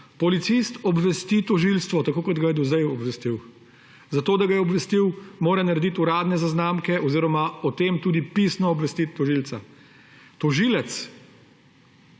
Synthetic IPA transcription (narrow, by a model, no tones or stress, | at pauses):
pɔlit̪sist̪ɔbʋɛst̪it̪ɔʒilst̪ʋɔt̪akoːkɔd̪ɡajɛd̪ɔzɛjɔbʋɛst̪iw | zat̪oːd̪aɡajɛɔbʋɛst̪iwmoːɾɛnaɾɛd̪it̪uɾaːd̪nɛzaznaːmkɛʔɔziːɾɔmaɔt̪emt̪uːd̪ipisnɔːbʋɛst̪it̪ːɔʒilt̪sa | t̪ɔʒiːlɛt̪s